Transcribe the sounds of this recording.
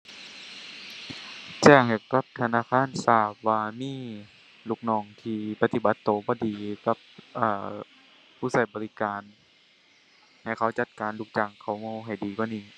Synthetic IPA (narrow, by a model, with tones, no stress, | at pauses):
t͡ɕɛː˧˩ŋha˨˩jka˧˦p̚t̪ʰa˧naː˧˨kʰaː˧˥˨nsaː˧˩p̚waː˧miː˧˥˨ | lu˧˩k̚nɔː˧˩ŋt̪ʰiː˧pa˧t̪i˧˩ba˧˦t̪ːoː˨˦bɔː˧˦diː˨ka˧˦p̚ʔaː˧˩ | pʰuː˧˥˩sa˧˩jbɔː˨li˦˥kaː˨n | ha˨˩jkʰa˧˥˩wt͡ɕa˧˦t̪̚kaː˨˦nlu˧˩k̚t͡ɕa˧˩ŋkʰa˧˩wmɔ˧ɦa˨˩jdiː˨˦kwaː˧˥niː˧˩˨